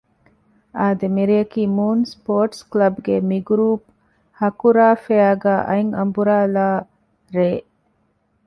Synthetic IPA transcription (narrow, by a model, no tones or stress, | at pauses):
aːd̪emiɾiɐkiːmuːnspoːɾʈsklɐbɡemiɡɾuːp̚ | hɐkuɾaːfeaːɡæːʔɐ̰iŋɐmbuɾaːlaː | ɾeː